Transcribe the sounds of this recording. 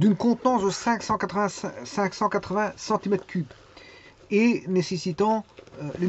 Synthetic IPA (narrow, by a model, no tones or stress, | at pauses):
d̪ynkɔ̃t̪nɑ̃sd̪əsɛ̃ksɑ̃kat̪χəvɛ̃sɛ̃ksɑ̃kat̪χəvɛ̃sɑ̃t̪imɛt̪χkʰyb | enesesit̪ɑ̃l